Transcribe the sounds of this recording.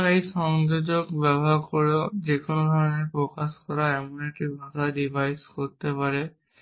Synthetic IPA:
ejsɔŋzod͡ʒɔkbɛbɔɦaɹkoɹɔzikʊnɔd̪ʱɔɹɔnɛpɹɔkaskɔɹaɛmuneʈibbʱazadibʱajskoɹit̪ɛpaɹɛ

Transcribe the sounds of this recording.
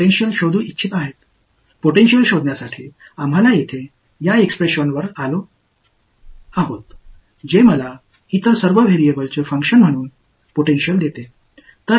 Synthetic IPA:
oʈenɕjəlɕod̪ʱuːitːɕʰit̪aɦet̪ | poʈenɕəlɕod̪ʱnjasaʈʰiː | am̤alajet̪ʰe | jaekspɾeɕənʋəɾalo | aɦot̪ | d͡ʑeməla | it̪əɾsəɾʋəʋʱeɾijebəlt͡səfə̃ŋkʂənm̤əɽ̃uːn | poʈenɕəld̪et̪e | t̪əɾ

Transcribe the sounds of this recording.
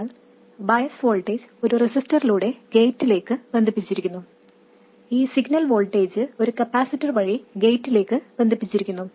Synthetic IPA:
ɭ | bɐjɐsʋo̞ːɭʈːeːd͡ʑo̞ɾuresistɐriluːɽe̞ɡe̞ːjtːile̞ːkːɨbend̪ʱipːit͡ɕːiɾikʲːunːu | iːsiɡnɐlʋo̞ːlʈe̞ːd͡ʑɨo̞ɾukɐpːaːsitːɐrʋɐɻiɡe̞ːtːile̞ːkːɨbe̞nd̪ʱipːit͡ɕːiɾikʲːunːu

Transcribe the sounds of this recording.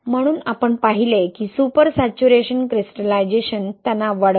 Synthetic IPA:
m̤əɽ̃uːnapəɳpaɦilekiːsupəɾsat͡ɕuɾeɕənkɾisʈəlajd͡ʑeɕənt̪janaʋaɽ

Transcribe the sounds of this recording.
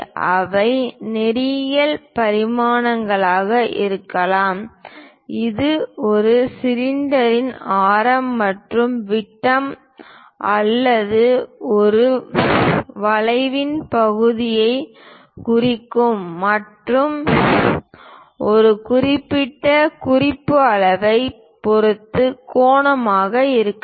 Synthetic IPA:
ʔɐʋɐɪnɛɾɪjɐlpɐɾɪmaːnɐŋɡɐɭaːɣɐʔɪ̰ɾɯkːɐlaːm | ɪðɯɔɾɯsɪɾɪnd̪ɐɾɪnaːɾɐmːɐʈrɯmʋɪʈːɐm | ʔɐlːɐðɯɔɾɯ | ʋɐlɐɪʋɪnpɐɣɯðɪjɐɪ | kʊrɪkːɯmːɐʈrɯm | ɔɾɯkʊrɪpːɪʈːɐkʊrɪpːɯɐɭɐʋɐɪ | pɔɾɯt̪ːɯkoːɳɐmaːɣɐɪɾɯkːɐ

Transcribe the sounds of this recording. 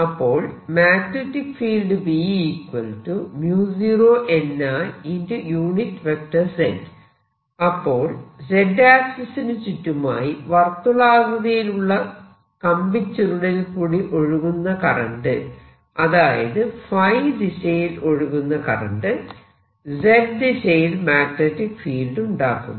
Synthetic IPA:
ɐpːo̞ːɭmaːknetːikfiːlɖɨbiːiːkwɐlʈumjuːsiroːʔe̞nːaːindɨjuːɳitːʋek̚ʈɐrsen | ɐpːo̞ːɭd͡ʑe̞ɖaːksɐsinɨt͡ɕitːuma̰ːjiʋɐrt̪ːulaːɣɐðɐjiluɭːɐ | kɐmbit͡ɕːɐɾuɽelkuːɽiʔo̞ɻuɣunːɐkɐrɐ̰ɳɖɨ | ɐðaːjɐ̰ðɨfɐjɖiɕɐjilo̞ɻuɣunːɐkɐ̰rɐ̰ɳɖɨ | d͡ʑedɖiɕɐjilmaːɡnetːikfiːlɖuɳɖa̰ːkːṵmː

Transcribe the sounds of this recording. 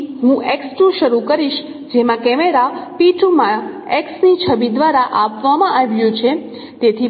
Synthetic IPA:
ɦũʔeksʈũʃəɾukəɾiʃ | d͡ʒemãkɛmeɾapiʈumã | eksnit͡ʃʰəbid̪ʋaɾaʔapʋamãʔaʋjũt͡ʃʰe | t̪et̪ʰi

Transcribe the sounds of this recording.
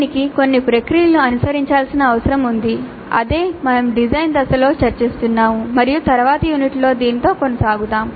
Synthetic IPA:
nikiko̞nːipɾekɾijɐluɐnusɐɾiɲt͡ʃaːlsinɐːʋɐsɐɾɐmund̪i | ɐ̰d̪e̞ːmɐnɐmɖid͡ʒɐjnd̪ɐsɐlo̞ːt͡ʃɐɾt͡ʃeːst̪unːaːmumɐɾijut̪ɐɾɐʋaːt̪ɐjuːniʈlo̞ːd̪iːnit̪o̞ːko̞nɐsaːɡut̪aːm

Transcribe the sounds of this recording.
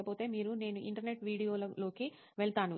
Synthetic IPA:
ɐpo̞ːt̪e̞ːmiːɾune̞ːnuʔḭɳʈɐɾne̞ʈʋiːɽijo̞ːlɐlo̞ːki | ʋɛɭt̪aːnu

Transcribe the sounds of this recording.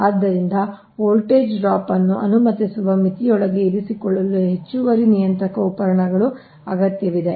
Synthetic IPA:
aːd̪ːɐɾind̪ɐ | oːlʈeːd͡ʒɖɾaːpɐnːuʔɐ̰numɐt̪isuʋɐmit̪ijɔɭɐɡe̞iɾisikɔɭːɐlːuɦe̞t͡ʃːuʋɐɾinijɐnt̪ɾɐkɐupɐɾɐɳɐɡɐɭu | ɐ̰ɡɐt̪jɐʋid̪e̞

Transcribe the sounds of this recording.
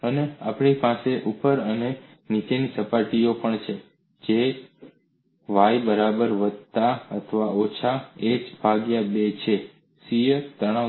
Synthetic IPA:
ənea̰pɳipãseʔupəɾəne | nit͡ʃenisəpaʈiopəɳt͡ʃʰe | d͡ʒe | ʋajbəɾabəɾʋəd̪̚ʱt̪aət̪ʰəʋaot͡ʃʰaed͡ʒbʱaɡjabet͡ʃʰe | siəɾt̪əɽ̃ã

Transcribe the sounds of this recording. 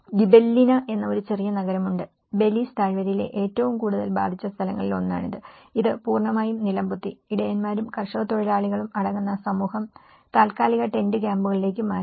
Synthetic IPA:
ɡibelːinɐʔe̞nːɐo̞ɾut͡ɕe̞rijɐnɐɣɐɾɐmuɳɖɨ | be̞list̪aːɻʋɐɾile̞̰ʔe̞ːtːɐʋumkuːɽuðɐlba̰ːd̪ʱit͡ɕːɐst̪ʰɐlɐ̰ŋːɐɭilo̞̰nːa̰ːɳiðɨiðɨpuːrɳɐmaːjumnilɐmbut̪ːiiɽejɐnmaːɾumkɐrʂɐɣɐt̪oɻɐlaːɭiɣɐɭumɐɽɐŋːunːɐsɐmuːhɐm | t̪aːlkaːliɣɐʈe̞ndɨk̬ʲaːmbuɣɐɭile̞ːkʲːumaː

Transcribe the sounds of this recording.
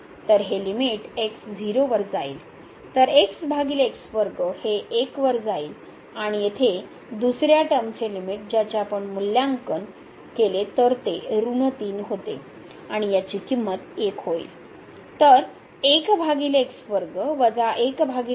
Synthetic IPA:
t̪əɾɦelimiʈeksd͡ziɾoʋəɾd͡zaḭːl | t̪əɾeksbʱaɡiːleksʋəɾɡəheekʋəɾd͡zaiːl | aɽ̃ijet̪ʰe | d̪usɾjaʈəmt͡ɕelimiʈ̚d͡ʑat͡ɕjaːpəɳmuljaŋkən | kelet̪əɾt̪eɾunət̪iːnɦot̪ḛ | aɽ̃ijat͡ɕiːkimːət̪ekɦoḭl | t̪əɾ | ekbʱaɡileksʋəɾɡəʋəd͡zaʔekbʱaɡi

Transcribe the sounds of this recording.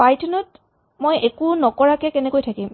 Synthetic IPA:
pajtʰɔnɔt | mojekunɔkɔɹakɛkɛnɛkojtʰakim

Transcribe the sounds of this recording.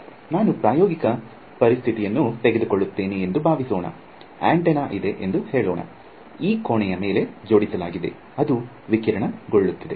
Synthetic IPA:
naːnupɾaːjoːɡikɐ | pɐɾist̪ʰit̪ijɐnːut̪eɡed̪ukoɭːut̪ːeːniend̪ubʱaːʋisoːɳɐ̰ | a̰ːɳʈenaːʔid̪e̞ʔend̪uheːɭoːɳɐ̰ | iːkoːɳɛjɐme̞ːle̞d͡ʒo̞ːɽisɐlaːɡid̪e̞̰ | ɐd̪u | ʋikiɾɐɳɐɡoɭːut̪ːɐd̪e̞

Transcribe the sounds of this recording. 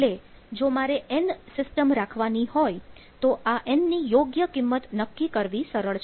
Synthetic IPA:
ele | d͡ʒomaɾeʔɛnsɪsʈəmɾakʰʋanihoj | t̪oʔaʔɛnnijoɡjəkɪmːət̪nəkːikəɾʋisəɾəɭt͡ʃʰ

